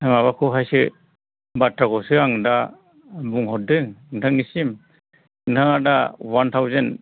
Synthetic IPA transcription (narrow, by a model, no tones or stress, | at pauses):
ajmaβakʰuɦajsɯ | batɾaɡɔsɯaŋda | buŋɦɔt̚dɯŋŋdanisim | naadawant̪ʰawzen